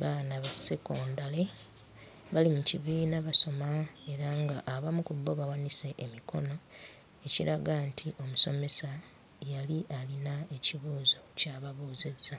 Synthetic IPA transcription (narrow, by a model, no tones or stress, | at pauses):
βanaβaseko̞ːndale̞ | βalimuciβiːnaβaso̞mae̞ɾaŋɡaʔːβamukubːo̞βawanise̞ʔːmikʰo̞̰no̞ | e̞ciɾaɡantʰiʔo̞muso̞me̞sa | jaliʔalinae̞ciβuːzo̞caβaβoːze̞zːa